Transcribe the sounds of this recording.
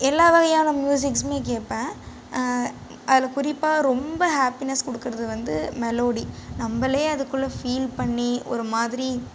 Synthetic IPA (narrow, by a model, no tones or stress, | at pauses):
ɛlːaːʋɐɣɐjaːnɐ̃mjuːs̬ɪksmeːk̬eːʈpːẽː | ʔɐðɪlɐkʊɾɪpːaːɾɔmbɐɦaːpɪnɐskɔɽɯkːɯɾɐðɯʋɐnd̪ɯmɛloːɽinɐmbɐleːɐðɯkːɯɭːɐfiːlpɐɳːiʔɔ̰ɾɯmaːðɪɾi